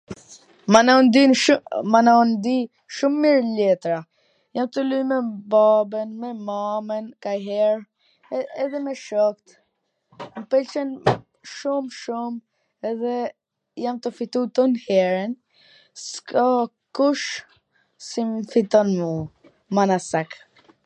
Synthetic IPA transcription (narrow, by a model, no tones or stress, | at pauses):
manɔnd̪inmanɔnd̪i | ʃumːiɾlɛt̪ɾa | jamt̪əlujmɛbabɛnmɛmamɛnkajɦɛɾ | ɛðɛmɛʃɔkt̪ | məpɛlt͡ʃɛn | ʃumʃum | ɛðɛ | jamt̪əfit̪ut̪ɔnhɛɾɛn | ska | kuʃ | simfit̪ɔnmə | manasak